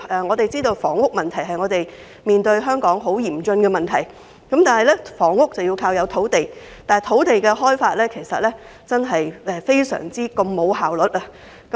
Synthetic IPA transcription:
ɛ˨˧ŋɔː˨˧t̪e˨jt͡siː˥t̪o˧wfɔː˨˩ŋːʊ˥k̚mɐ˨nt̪ʰɐ˨˩jɦɐ˨jŋɔː˨˧t̪e˨j | miː˨nt̪ɵ˧ɥɦœː˥ŋkɔː˨˥ŋɦo˨˥wjiː˨˩mt͡sɵ˧nkɛː˧mɐ˨nt̪ʰɐ˨˩j | kɐ˨˥mt̪aː˨nhɐ˨jlɛː˥fɔː˨˩ŋːʊ˥k̚t͡sɐ˨wjiː˧wkʰaː˧wjɐ˨˧wt̪ʰo˨˥wt̪e˨j | t̪aː˨jt̪ʰo˨˥wt̪e˨jkɛː˧ɦɔː˥jfaː˧t̚lɛː˥kʰe˨˩jsɐ̰˨t̚lɛː˥ | t͡sɐ˥nɦɐ˨jɛː˧fe˥jsœ̰ː˨˩ŋt͡siː˥ko˧mːo˨˧whaː˨wlɵ˨˥t̚aː˧ | k

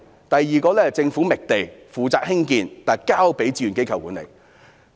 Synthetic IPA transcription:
t̪ɐ˨jːiː˨˩kɔː˧lɛː˥t͡sɪ˧ŋfuː˨˥mɪ˨k̚t̪e˨jfuː˨t͡saː˧k̚hɪ˥ŋkiː˧nt̪aː˨˩kaː˥wpe˨˥jt͡siː˧˥jy˨nke˥jkʰɐ˨˩wkuː˨˥nlḛ˨˩j

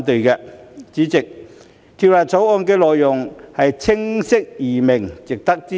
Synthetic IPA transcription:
nt̪ɵ˨ɥkɛː˧t͡siː˨˥t͡sɪ˨k̚ | t̪ʰiː˧wlaː˨t̚t͡so˨˥wɔː˧nkɛː˧lɔː˨jːʊ˨ŋhɐ˨jt͡sʰɪ˥ŋsɪ˥k̚jiː˨˩mɪ˨˩ŋt͡sɪ˨k̚t̪ɐ˥k̚t͡siː˥˦

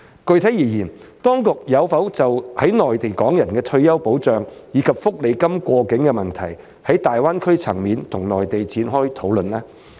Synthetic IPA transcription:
kɵ˧ɥt̪ʰɐ˨˥jiː˨˩jiː˨˩n | t̪ɔː˥ŋkʊ˨k̚jɐ˨˧wfɐ˨˥wt͡sɐ˨whɐ˨˥jnɔː˨jt̪e˨jkɔː˨˥ŋjɐ˨˩nkɛː˧t̪ʰɵ˧ɥjɐ˥wpo˨˥wt͡ʃœː˨ŋjiː˨˥kʰɐ˨p̚fʊ˥k̚le˨˧jkɐ˥mkʷɔː˧kɪ˨˥ŋkɛː˧mɐ˨nt̪ʰɐ˨˩j | hɐ˨˥jt̪aː˨jwaː˥nkʰɵ˥ɥt͡sʰɐ˨˩ŋmiː˨˧nt̪ʰʊ˨˩ŋnɔː˨jt̪e˨jt͡siː˨˥nɦɔː˥jt̪ʰo˨˥wlɵ˨nlɛː˥

